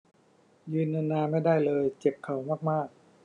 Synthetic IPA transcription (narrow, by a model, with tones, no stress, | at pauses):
jɯː˧nːɯ˧nːaː˧ma˥˩jda˥˩jlɤː˧jt͡ɕe˨˩p̚kʰːa˨˦wmaː˥˩k̚maː˥˩k̚